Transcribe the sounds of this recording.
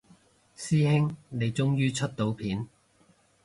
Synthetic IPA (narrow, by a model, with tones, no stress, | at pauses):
siː˥hɪ˥ŋne˨˧jt͡sʊ˥ŋjyː˥t͡ʃʰɵ˥t̚t̪o˨˥wpʰiː˨˥n